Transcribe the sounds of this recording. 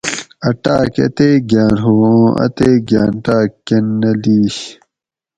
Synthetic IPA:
ɐʈaːkɐ̰t̪eːɡaːnɦoːõːʔɐ̰t̪eːɡaːnʈaːkːenːɐliːɕ

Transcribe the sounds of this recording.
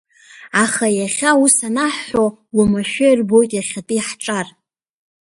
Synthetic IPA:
aχajaχʲausanaħːowamaʃᶣajrbo̞jtʼjaχʲatʼɨiħʈ͡ʂʼar

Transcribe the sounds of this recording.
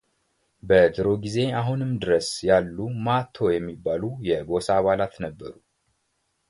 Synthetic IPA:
bəd̪ɨɾo̞ɡize̞aɦunɨmd̪ɨɾəsjalːumat̪ʰo̞jɛmːibːalujɛɡo̞saːβalat̪nəbːə̰ɾu

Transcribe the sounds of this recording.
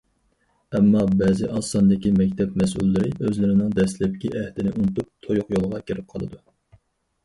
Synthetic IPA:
ɛmːɑbɛːzɪʔɑsɑnd̪ɪkʲimɛkʲt̪ʰɛpmɛsṵlːɪɾɪøzlɪɾɪnɪŋd̪ɛslɪp̚kʲiʔɛhd̪ɪnɪʔunt̪up̚t̪ʰojʊqjolˠʁɑkʲʰeɾɪp̚qʰɑlˠɨ̰d̪u

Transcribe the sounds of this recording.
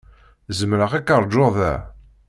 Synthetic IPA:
zəmɾəʁækːəɾˤd͡ʒːoðæ̰

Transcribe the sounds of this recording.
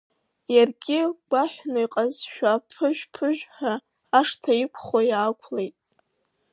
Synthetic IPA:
jarɡʲɪɡʷaħʷnojqʼazʃᶣapʰɨʒᶣpʰɨʒᶣħaː | ʂtʰaikʷʰχajaːkʷʰlejtʼ

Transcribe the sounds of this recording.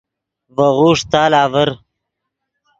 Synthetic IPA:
vɐʁuːʂt̪aːlaːvəɾ

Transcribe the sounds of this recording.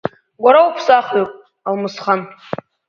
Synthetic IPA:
ɡʷaɾawupʰsaχopʼ | almɨsχan

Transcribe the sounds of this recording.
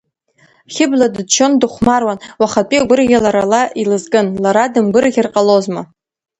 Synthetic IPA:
χʲɪbladɨt͡ʃʰo̞ndɨχʷmarwanwaχapʼiaɡʷʊrɡʲalaɾalaʔilɨzkʼɨnlaɾadɨmɡʷɨɾɡʲɪrqʼalozma

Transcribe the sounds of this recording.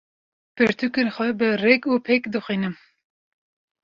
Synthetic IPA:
pɨɾt̪ʰukenxʷɛbɨrɛkuːpʰekd̪ɨxʷiːnɨm

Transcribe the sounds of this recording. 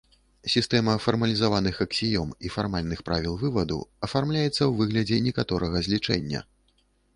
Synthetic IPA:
sʲist̪ɛmɐfɐrmɐlʲizavanɨxɐksʲijɔmifarmalʲnɨxpɾʔavʲilˠvɨvɐd̪ṵɐfarmlʲajɛt̪sːɐwvɨɣlʲɐd͡zʲɛnʲɛkat̪ɔɾɐɣɐzʲlʲit͡ʂɛ̰nʲːɐ̰

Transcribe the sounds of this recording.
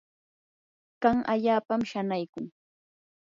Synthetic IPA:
kaŋa̰ʎaːpamʃanajkʊŋ

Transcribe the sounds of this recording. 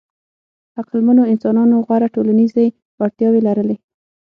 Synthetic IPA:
aqɪlmanoɪnsɑnɑnoɣaɾaʈolanize | waɽt̪jɑwelaɾəle

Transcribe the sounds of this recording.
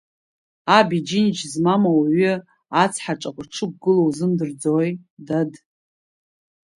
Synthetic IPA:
abid͡ʒinid͡ʒzmamawaɥʏ | at͡sʰħaʈ͡ʂʼaqʷʼʈ͡ʂʰɨk̚ʷɡɨlowzɨmdɨrd͡zojdad

